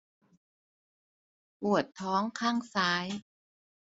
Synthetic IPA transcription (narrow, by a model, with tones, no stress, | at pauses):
pu˨˩ət̪ʰːɔː˦˥ŋkʰaː˥˩ŋsaː˦˥j